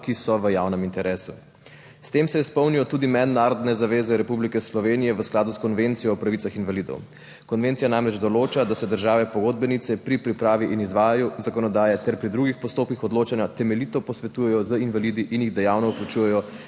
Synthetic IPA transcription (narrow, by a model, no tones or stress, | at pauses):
kisɔʋəjaːwnəmint̪ɛɾʔeːsu | st̪eːmsɛispɔwnijɔt̪uːd̪imɛd̪naːɾɔd̪nɛzaʋeːzɛɾɛpublikɛslɔʋeːnijɛʋəsklaːd̪uskɔnʋent̪sijɔːpɾaʋitsaxinʋalid̪ɔ̰w | kɔnʋeːnt̪sijanamɾɛd͡ʒd̪ɔloːt͡ʃad̪asɛd̪əɾʒaːʋɛpɔɡod̪̚bɛnit̪sɛpɾipɾipɾaːʋiʔinizʋaːjajuzakɔnɔd̪aːjɛt̪ɛɾpɾid̪ɾuɡixpɔst̪oːpkixɔd̪loːt͡ʃanjat̪ɛmɛlit̪ɔpɔsʋɛt̪uːjɛjɔzəinʋalid̪iʔinjiɣd̪ɛjawnɔuklut͡ʃujɛjɔ